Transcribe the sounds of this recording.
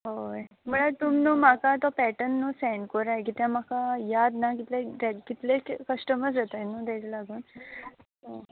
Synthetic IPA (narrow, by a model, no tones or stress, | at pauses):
ɦoj | m̤əɭat̪umnuːmakat̪ɔpɛʈənːuːsɛɳɖkoɾajkit̪jãm̤akajad̪nakit̪leɾɛkit̪lekkəʂʈəmət͡s̬et̪anuːt̪ɛ̃t͡ɕlaɡuːn | o